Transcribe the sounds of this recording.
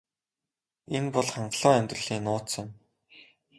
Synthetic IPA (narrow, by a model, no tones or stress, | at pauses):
enpɔɮχaɴɢɮɔːæmʲt̪rɵ̆ɮiːnʊːt̪sə̆m